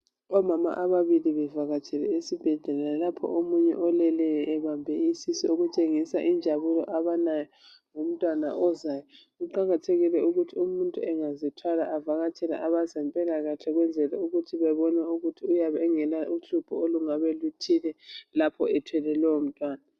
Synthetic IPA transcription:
ɔmama̰ʔaβaβiliβɛvaɣat͡ʃʰɛlɛesib̥ʱɛɮɛlalapʰɔ̰ʔomuɲɛ̰ʔɔlɛlɛjɛʔɛβambʱɛisisɔoɣut͡ʃʼeŋisaʔind͡ʒʱaβulɔ̰ʔaβanajɔ | ŋom̩tʼwana̰ʔɔzajɔ | ɣuǃaɣatʰeɣilɛuɣutʰiumuntʼuɛŋazitʰwalaʔavaɣat͡ʃʰʼɛla̰ʔaβazampʼɛlaɣaɬɛɣwɛnd͡zʱɛlɛuɣutʰiβɛβɔnauɣutʰiujaβɛŋɛlaʔuɬupʰɔoluŋaβɛlutʰilɛlapʰɔ̰ɛtʰwɛlɛlɛom̩tʼwaːna

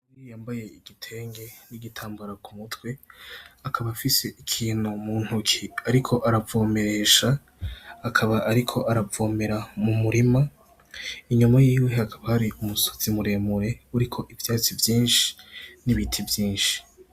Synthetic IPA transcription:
ɾijaːmbaje̞iɡitʰe̞ːŋɡe̞niɡitʰaːmbuɾakumutwe̞akʰaβafise̞ʔikʰiːnumuːn̥hukʰiaɾikʰo̞ʔaɾavo̞ːme̞ɾe̞ːʃaː | kʰaβaʔaɾikʰo̞ʔaɾavo̞ːmeɾamumuɾima | iɲumajiːwe̞akʰaβahaɾiumuso̥zimuɾe̞muɾe̞uɾikʰo̞ʔivjaːt͡sivjiːnʃi̥niβitʰivjiːnʃi̥

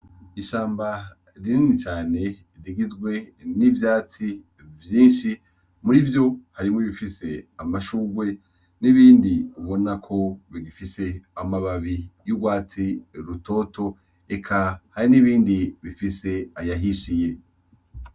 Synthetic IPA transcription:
iʃaːmba | ɾininit͡ʃaːne̞ | ɾiɡizɡwe̞nivjaːt͡si | vjiːnʃi | muɾivjo̞haɾimŋwoβifise̞amaʃuːɡwe̞ | niβiːndiuβo̞nakʰo̞βiɡifise̞amaβaβijuɡwaːt͡siɾuto̞ːto̞ | ekʰahaɾiniβiːndiβifise̞ajaɦiʃije̞

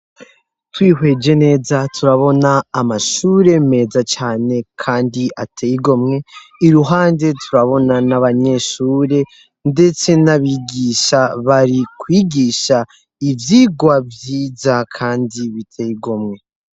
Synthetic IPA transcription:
twiːɦwe̞ːd͡ʒe̞ne̞ːzatʰuɾaβo̞naːmaʃuːɾe̞me̞ːzat͡ʃaːne̞kʰaːndiʔatʰejiɡo̞mŋe̞iɾuɦaːnde̞tʰuɾaβo̞nanaβaɲe̞ʃuːɾe̞ | nde̞t͡se̞naβiːɡiːʃaβaɾikwiːɡiːʃa | ivjiːɡwavjiːzakʰaːndiβitʰejiɡo̞mŋe̞

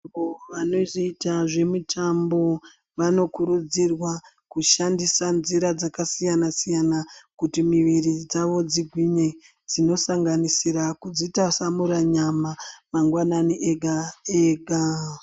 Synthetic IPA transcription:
oʋanoziitaʐe̞mutʰambo̞ | ʋano̞kuɾud͡zirwa | kuʃandisanziɾad͡zakasijanasijanakutimiʋirid͡zaʋo̞d͡ziɡʱwiɲe̞ | d͡zino̞saŋɡanisiɾakud͡zitasamuɾaɲamamaŋɡwananiʔeɡʱaeːɡʱa

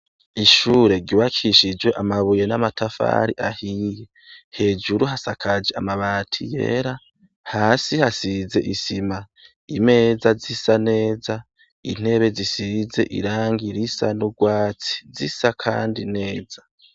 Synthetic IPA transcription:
iʃuːɾe̞ɡiwakʰiʃid͡ʒwe̞ʔamaβuje̞namatʰafa̰ɾiʔahije̞ | he̞ːd͡ʒuɾuɦasakʰad͡ʒe̞amaβaːtʰije̞̰ːɾa | haːsihasize̞ʔisima | ime̞ːzazisane̞ːza | in̥e̞βe̞zisize̞̰ʔḭɾaːŋɡiɾisanuɡwaːt͡si̥zisakʰa̰ːndine̞ːza

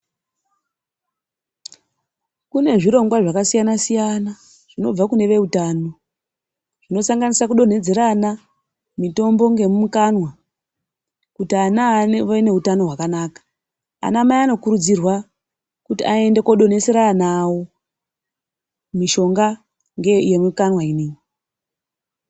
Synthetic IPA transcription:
kune̞ʐiɾo̞ŋɡwaʐakasijanasijana | ʐ̥ino̞b͡vakune̞ʋe̞utaːno̞ | ʐ̥ino̞saŋɡanisakuɗo̞n̤e̞d͡ze̞ɾana | mito̞mbo̞ŋɡe̞mumukanwa | kutianaane̞ɦutano̞ɦwakanaːkḁ | a̰namajano̞kuɾud͡zirwa | kutiae̞nde̞koɗo̞ne̞se̞ɾanawo | miʃo̞ŋɡa | ŋɡeje̞mukanwaineːwi

